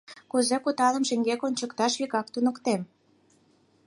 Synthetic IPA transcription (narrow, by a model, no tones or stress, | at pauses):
kuzekut̪ɑlə̆mʃeŋɡekonʲt͡ɕəkt̪ɑʃβikɑk̚t̪unəkt̪em